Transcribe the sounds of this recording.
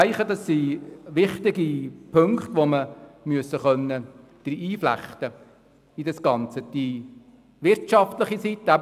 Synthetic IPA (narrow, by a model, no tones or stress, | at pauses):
ɪχəd̪ɑsːiʋɪχt̪ɪɡipʰɵŋkχt̪ʋoməmyəsːəχœnːə | d̪̥ɾiiːflæ̰χt̪ə | idɑsɡɑnt͡səd̪̥i | ʋɪɾtʃɑft̪ləχisit̪ːəæb